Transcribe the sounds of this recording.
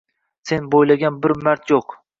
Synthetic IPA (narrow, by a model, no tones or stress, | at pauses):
se̞nbojlˠaɡʲanbɪɾmaɾt̪joq